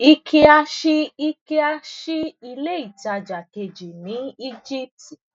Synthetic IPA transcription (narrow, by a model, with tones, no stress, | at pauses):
i˧kʰi˧a˧ʃi˦i˧ki˧˦a˧ʃi˦i˧le˦i˦˨ta˧d͡ʒa˨ke˧d͡ʒi˨nĩ˨˦i˦d͡ʒi˦p̚ti˨